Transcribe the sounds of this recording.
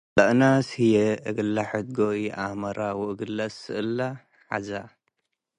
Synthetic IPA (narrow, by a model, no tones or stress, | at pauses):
t̪ʼɐʔnashijeɨɡɨlːaħɨt̪̚ɡoiʔamɐɾʔawʊʔɨɡɨlːɐsɨʔɨlːa | ħa̰za